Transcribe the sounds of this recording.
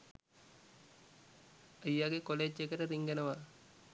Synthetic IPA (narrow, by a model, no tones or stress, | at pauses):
əjːaɡekoleːd͡ʒekɐɾəɾiŋɡɐnɐʋa